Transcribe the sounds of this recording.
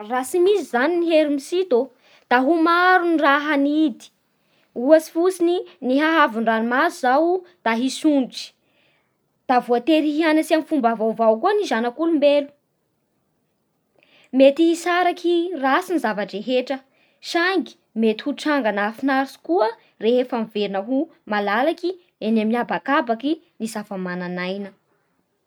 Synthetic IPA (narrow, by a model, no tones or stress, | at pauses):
rasimizizaniniɦeɾimisit̪o | d̪̥aɦumaɾuniraɦanid̪i̥ | uasi̥fusininiɦaɦavunranimazuzawd̪̥aɦisunʈ͡ʂi̥ | d̪̥avuat̪eɾiɦianasiamfumbavawvawkuənizanakulumbelu̥ | met̪ihisaɾakirasinizavaʈ͡ʂeɦeʈ͡ʂə | ʃaŋɡi̥ | met̪i̥huʈ͡ʂaŋɡanafinaɾisu̥kuə | reɦefamiveɾinəɦumalalaki | enaminiabakabaki | nisafəmananajnə